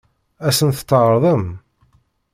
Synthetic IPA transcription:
æsənθə̥t̪ːəʁɾˤðˤəm

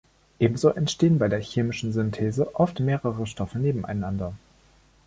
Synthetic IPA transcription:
ʔeːbm̩zoːʔɛntʃteːənbaɪdeːɐçeːmɪʃn̩zʏntʰeːzəʔɔftmeːʁəʁəʃtɔfəneːbm̩a̰ɪnandɐ

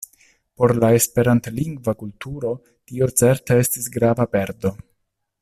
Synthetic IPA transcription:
po̞ɾlae̞spe̞ɾantliŋɡvakultuɾo̞ | tio̞t͡se̞ɾtee̞stisɡɾavape̞ɾdo̞

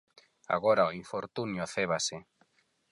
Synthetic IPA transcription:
a̰ɣoɾaoiɱfoɾt̪unjoθɛβase

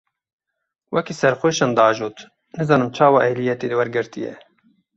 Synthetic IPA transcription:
wʔɛkiːsɛɾxʷeːʃɑnd̪ɑːʒoːt̪ | nɨzɑːnɨmt͡ʃʰɑːwɑːʔɛjlijɛt̪eːd̪ɨwɛɾɡɨɾt̪ijɛ̰

